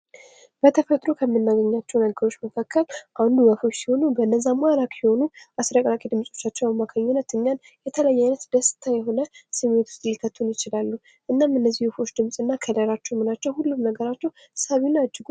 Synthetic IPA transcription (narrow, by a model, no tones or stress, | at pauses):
b̥ət̪ʰəfət̪ʼɾo̞kʰəmːɨnːaɡəɲːat͡ʃːɛwnəɡəɾo̞t͡ʃːməkʰakʰːəlʔand̪ubəfo̞t͡ʃːsi̥ho̞nubəɨnːəzːamalakʼjɪho̞nuʔasɾəkʼlakʼid̪ɨmsʼo̞t͡ʃːat͡ʃːɛwaβmakʰəɲːɪnːət̪ɨɲːan | jɛt̪ʰələjːajnət̪d̪əsɨ̥t̪ʰajɛɦo̞nəsɨmwot̪ʰu̥st̪ʼlikʰət̪ʰːunjɪt͡ʃɪlalːu | ʔɨnːamɨnːəzːihufo̞t͡ʃːd̪ɨmsʼɨnːakʰəd̪əɾat͡ʃːɛwmɨnat͡ʃːɛwhulːumnəɡəɾat͡ʃːɛw | saβinad͡ʒːɪɡu